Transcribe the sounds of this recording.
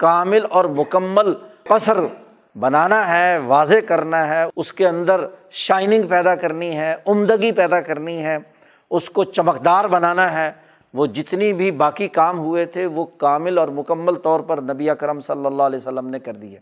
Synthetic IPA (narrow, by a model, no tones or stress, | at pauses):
kaːmɪlɔːɾmʊkəmːəlɐsəɾ | bɐnaːnaɦɛːʋaːzekɐɾnaɦɛʊskeɐ̃nd̪əɾʃaːɪnɪ̃ŋɡpɛːd̪akɐɾniɦɛːʊmd̪əɡipɛːd̪akɐɾniɦɛː | ʊskot͡ʃɐməqd̪aːɾbɐnaːnaɦɛː | ʋoːd͡ʒɪt̪nibʱibaːkikaːmɦʊet̪ʰeʋokaːmɪlɔːɾmʊkəmːəlt̪ɔːɾpɐɾnɐbiəkəɾəmsɐlːəlːalɛːsəlːəmnekɐɾd̪iɦɛː